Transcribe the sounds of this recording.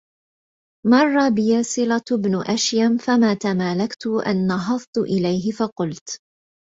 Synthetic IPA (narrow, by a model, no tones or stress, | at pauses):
mɑrˤːɑbɪjasɨlat̪bnʊʔaʃjamfamaːt̪amaːlakt̪ʊʔa̰nːɑɦɑðˤt̪ʊʔɪlajɦɪfɑqʊlt̪